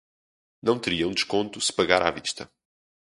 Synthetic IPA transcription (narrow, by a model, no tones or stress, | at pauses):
nɐ̃w̃t̪ɨɾiɐũd̪ɨʃkõnt̪usɨ̥pɐɣaɾa̰viʃt̪ɐ